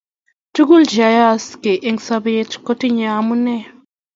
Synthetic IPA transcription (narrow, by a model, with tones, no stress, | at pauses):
tu˦ɡu˦ld͡ʒa˨ja˦˨ske˨ʔe˦ŋsa˦βe˦tko˦ti˦ɲa˨mu˦ne˦